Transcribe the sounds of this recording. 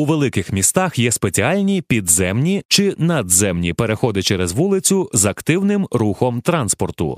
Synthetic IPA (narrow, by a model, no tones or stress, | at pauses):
uʋelˠɪkɪxmʲist̪ɑxjɛspet͡sʲialʲnʲipʲid̪zɛmnʲit͡ʃɪnɐd̪zɛmnʲipeɾexɔd̪ɪt͡ʃɛɾezʋulˠɪt͡sʲʊzɐkt̪ɪwnɪmruxɔmt̪ɾɑnspɔrt̪ʊ̰